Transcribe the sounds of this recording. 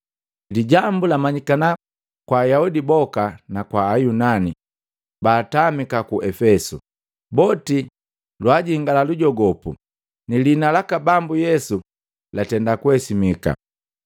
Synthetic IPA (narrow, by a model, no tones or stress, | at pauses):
liɟambulamaɲikana | kwajaudibɔkanakwaːjunani | baːtamikakuʔɛfɛsṵ | bɔti | lwaɟiŋɡalaluɟɔɡɔpṵ | nilinalakabambujɛsu | latɛndakuɛsimika̰